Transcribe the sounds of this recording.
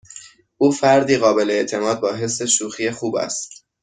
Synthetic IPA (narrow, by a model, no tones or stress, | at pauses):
ʔuːfæɾd̪iːɣɒːbe̞leeʔt̪ʰe̞mɒːd̪̚bɒːɦe̞sːe̞ʃuːxiːexuːbæ̰st̪